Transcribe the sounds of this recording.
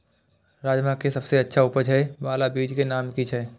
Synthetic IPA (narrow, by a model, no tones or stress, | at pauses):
ɾaːd͡ʒmakesɐbseɐtːʃʰaʊpəd͡ʒɦɛbaːlabiːd͡ʒkenaːmkit͡ʃʰɛː